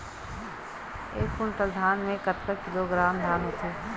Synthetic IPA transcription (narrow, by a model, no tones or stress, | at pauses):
eːkːʊnpəd̪ʱaːnmẽkɐt̪kəkɪloːɡɾaːmd̪ʱaːnɦʊt̪ʰuː